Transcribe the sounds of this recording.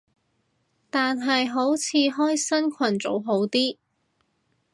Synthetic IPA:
t̪aː˨nɦɐ˨jɦo˨˥wt͡sʰiː˨˥ɦɔː˥jsɐ˥nkʷʰɐ˨˩nt͡so̰˨˥wɦo˨˥wt̪iː˥

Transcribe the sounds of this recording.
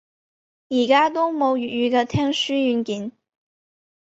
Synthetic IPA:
i˨˩ka˥t̪̬ʊ˥ŋmo˧˥ʊy˨˩y˧˥ɡə˧t̪ʰjɛ˥nʂy˥y˧˥nki˨˩˦n

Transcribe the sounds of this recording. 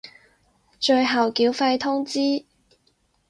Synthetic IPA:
t͡ʃɵ˧ɥɦɐ˨wkiː˨˥wfɐ˧jt̪ʰʊ˥ŋt͡siː˥

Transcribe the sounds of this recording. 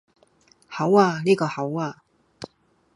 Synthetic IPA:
ha˨˥wa˨ni˥˩ɡɔ˨˩ha˨˥wa˨

